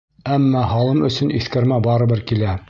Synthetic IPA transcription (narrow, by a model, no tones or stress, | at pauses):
æmːɑɦɑlˠɤmɵ̆sɵ̆niθkɘ̆ɾmæbɑɾɤ̆bɘɾkilæ